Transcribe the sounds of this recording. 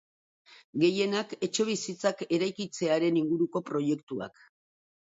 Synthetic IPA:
ɡe̞je̞nake̞t͡ʃe̞β̞isit͡sake̞ɾajkit͡se̞aɾe̞niŋɡuɾuko̞pɾo̞je̞kt̪ua̰k

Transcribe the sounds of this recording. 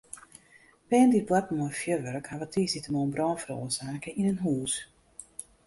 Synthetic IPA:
pɛːəndit̚bwatmofjøʋøɾkhaʋətʰiːsitəmoənbrɔːnfəɾo̰ːəsaːkəʔinənɦuːs

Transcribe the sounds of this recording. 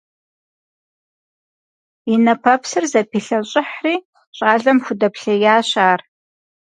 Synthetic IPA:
inɐpʰɐpsɨrzɐpʰiɬɐɕʼɪħriː | ɕʼaːɮɐmxʷʊdɐpʰɬɐjaːɕaːr

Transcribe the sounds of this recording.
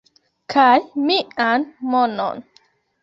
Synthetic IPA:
kʰajmiʔanmɔnɔ̰n

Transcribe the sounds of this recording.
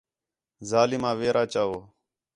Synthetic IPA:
zaːliːmãːʋeːɾʔaːt͡ʃaːoː

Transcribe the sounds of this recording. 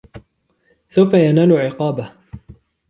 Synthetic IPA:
sawfajanaːlʊʕɪqɑːba

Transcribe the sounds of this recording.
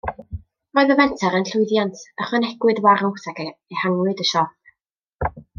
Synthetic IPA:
rɔɨðəvɛntʰaɾənɬʊɨðjantʰəχwənɛɡwɨdwaɾʊθakejhaŋwɨdəʃɔθ

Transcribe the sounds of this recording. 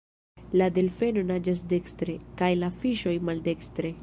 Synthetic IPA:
lade̞lfe̞no̞nad͡ʒas̬de̞kstɾe̞kajlafiʃo̞jmalde̞kstɾe̞

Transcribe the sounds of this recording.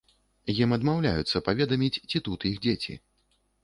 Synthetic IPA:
jimɐd̪mawlʲa̰jut̪sːɐpavʲɛd̪ɐmʲit͡sʲt͡sʲit̪ut̪jixd͡zʲet͡sʲḭ

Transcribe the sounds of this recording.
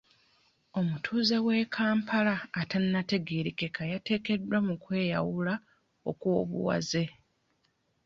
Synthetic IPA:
o̞mutʰuːze̞we̞ːkʰaːmpʰalaːtanːate̞ɡeɾikekʰajate̞ːke̞dwamukwe̞ːja̰wula | o̞̰kwo̞ːβṵwa̰ze̞

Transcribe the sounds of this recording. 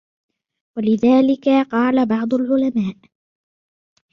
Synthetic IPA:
walɪðaːlɪkaqɑːlabɑʕd̪ˤʊlʕʊlamaːʔ

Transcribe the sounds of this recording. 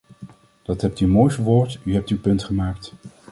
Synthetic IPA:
d̥ɑtɦɛp̚tyəmoːjsʋoːɹtyɦɛp̚tywpɵntχəmaːkt

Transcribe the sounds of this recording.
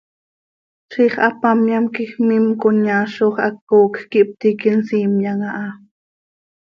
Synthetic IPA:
ʃiχɑpamjamkixmimkʊɲaːʃoχʔɑkːoːkkiʔp̚t̪ikinsiːmjaŋaʔɑ

